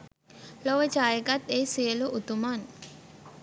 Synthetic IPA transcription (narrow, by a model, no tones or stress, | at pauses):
loʋət͡ʃaːjeɡat̪eisiəluʔut̪uman